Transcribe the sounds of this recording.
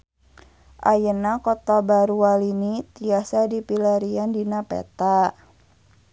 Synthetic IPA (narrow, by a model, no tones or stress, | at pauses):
ʔajənakɔt̪abaɾuwalinit̪iasadipilaɾiandinapɛ̰t̪a